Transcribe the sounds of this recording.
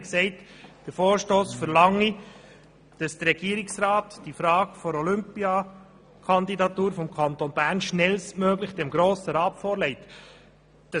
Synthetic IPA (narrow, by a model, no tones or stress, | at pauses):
ksɛɪtd̥əɾfoːɾʃtoːsfəɾlɑŋːi | d̥ɑsd̥əɾɛɡ̥iəɾiksɾɑːtd̥ifɾɑːɡfɔɾɔlʏmpiɑ | kʰɑnd̪idɑt̪uːɾfɔmkʰɑnt̪onbæːɾnʃnɛlstmøːɡlɪχd̥ɛmɡɾoːsəɾɑːtfoːɾlɛɪt | d̥ɑ